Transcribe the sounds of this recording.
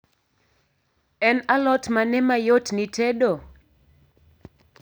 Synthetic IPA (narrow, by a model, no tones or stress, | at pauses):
ɛnalɔtmanɛmajotnitedo